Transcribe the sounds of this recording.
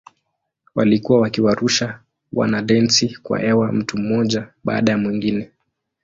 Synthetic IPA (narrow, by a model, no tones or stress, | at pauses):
walikuwawakiwaɾuʃa | wa̰naɗɛnsikwa̰ʔɛwam̩tum̩mɔʄaɓa̰ːɗajamwiŋɡinɛ